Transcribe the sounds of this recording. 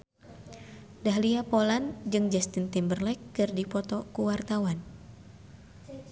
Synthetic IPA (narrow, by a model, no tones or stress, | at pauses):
daɦliapoland͡ʒɨŋd͡ʒɛst̪int̪imbərlɛkːɨrdipɔt̪ɔkuwart̪awan